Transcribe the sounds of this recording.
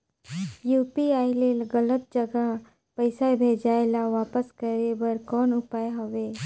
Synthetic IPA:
juːpiaːilelɡələt̪̚d͡ʒəɡa | pəɪsabʱeːd͡ʒaːelaʋaːpəskəɾebəɾkɔːnʊpaːeɦoʋeː

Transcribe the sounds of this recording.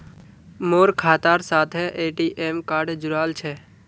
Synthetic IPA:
moːɾkʰaːt̪aːɾsaːt̪ʰɛʔeːʈiːʔeːmkaːɾɖd͡ʒʊɾaːlt͡ʃʰɛː

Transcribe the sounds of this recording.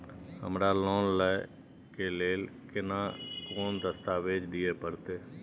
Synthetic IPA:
hə̰mɾalɔːnlɛ | keleːlkɪnakoːnd̪əst̪aːʋeːd͡ʒd̪ɪepəɾt̪eː

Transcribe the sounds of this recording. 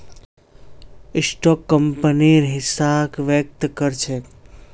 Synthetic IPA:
ɪsʈɔkːəmpəniɾɦɪsakʋjək̚t̪kəɾt͡ʃʰe

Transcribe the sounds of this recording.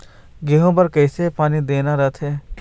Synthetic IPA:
ɡeːɦõbɐɾkɛːsepaːnid̪eːnaɾɐt̪ʰɦeː

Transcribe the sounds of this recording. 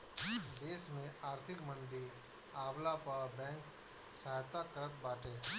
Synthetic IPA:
d̪eːsmẽʔaːɾt̪ʰɪkmə̃nd̪i | aːblapabɛ̃ːŋk | saːɦt̪akəɾət̪baːʈeː

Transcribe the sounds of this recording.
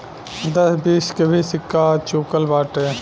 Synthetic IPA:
d̪əsbiːskebʱisɪkːaːt͡ʃoːkəlbaːʈeː

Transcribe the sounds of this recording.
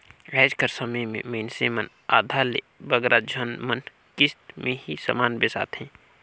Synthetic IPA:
ɛːd͡ʒkʰəɾsɐməjmḛ̃məɪnsemɐn | aːd̪ʱaːle | bəɡɾʔad͡ʒʱɐnmɐn | kɪst̪mʔẽɦisɐ̰maːnbesa̰ːt̪ʰɦɛ̃ː

